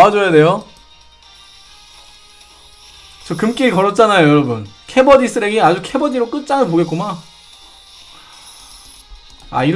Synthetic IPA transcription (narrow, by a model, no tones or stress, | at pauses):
ad͡ʑojade̞jo | t͡ɕʌkɯmk͈iikʌɾʌt̚t͡ɕ͈anajojʌɾʌbunkʰe̞bʌdis͈ʰɯɾe̞ɡead͡ʑukʰe̞bʌdiɾok͈ɯt̚t͡ɕ͈anɯpoɡe̞t̚k͈oma | a̰iɾ